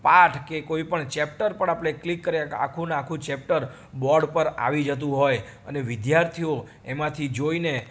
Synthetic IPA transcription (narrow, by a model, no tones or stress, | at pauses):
paʈʰkekoipəɳt͡ʃɛp̚ʈəɾpəɳapɽeklikːəɾjaka̰kʰũnakʰũt͡ʃɛp̚ʈəɾ | bɔɾɖpəɾa̰ʋid͡ʒət̪̬ũɦoj | ə̰neʋɪd̪jaɾt̪ʰijo | emãt̪ʰid͡ʒoine